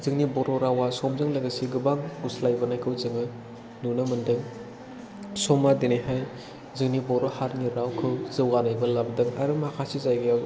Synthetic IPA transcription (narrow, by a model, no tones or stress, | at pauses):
zɯŋnibɔɾɔɾawasɔmzɯŋlaɡasiɡɯbaŋuslajbɐnajkʰɯwzɯŋɯ | nunɐmɯndɯŋ | sɔmːadinajɦaj | zɯŋnibɔɾɔhaɾniɾawkʰɯwzɯwɡanajbɐlabdɯŋaɾɯmhakʰasizajɡɯjaw